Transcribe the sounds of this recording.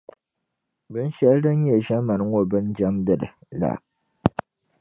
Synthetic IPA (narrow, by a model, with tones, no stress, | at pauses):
bɨ˦n˦ʃɛ˨ldɨ˦n˦ɲɛ˨ʒa˦ma˨n˦ŋo˦bɨ˦nd͡ʒa˦mdɨ˦˨dɨ̰˨la̰˨